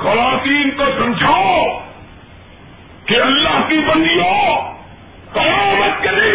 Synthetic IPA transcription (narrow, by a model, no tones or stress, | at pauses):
xɐɾaːt̪iːnt̪oːsɐ̃md͡ʒʱa | keɐlːaɦk̪iːbɐ̃nd̪iɦoː | kɐjaːmət̪̚keliː